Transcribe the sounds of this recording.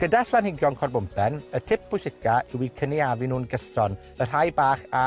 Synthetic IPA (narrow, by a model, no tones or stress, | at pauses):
ɡ̥ədaɬlanhɪɡjɔnkʰɔrbʊmpʰɛnətʰɪp̚b̥ʊjsɪkʰaʔɪwikʰəniavinuːnɡəsɔn | ər̥ɦajbaːχa